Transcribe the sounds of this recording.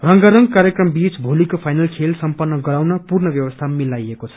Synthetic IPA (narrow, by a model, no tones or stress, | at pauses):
rʌŋɡʌɾʌŋɡkaɾjekrʌmbit͡sbʱolikopʰajnʌlkʰelsʌmpʌnːʌɡʌɾawnʌpurnʌbjʌwʌst̪ʰamilajekot͡sʰʌ̥